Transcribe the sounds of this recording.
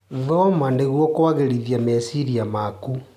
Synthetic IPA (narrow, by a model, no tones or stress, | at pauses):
ðɔmandeɣwɔkowaɣeɾiðiamesiɾiamaku